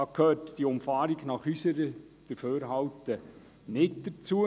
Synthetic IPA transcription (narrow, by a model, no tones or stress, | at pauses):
ɑːkʰøːtd̥iəʊmfɑːɾiɡnɑχysəɾə | d̥əɾføːɾɦɑwtə | nɪtd̥ət͡suə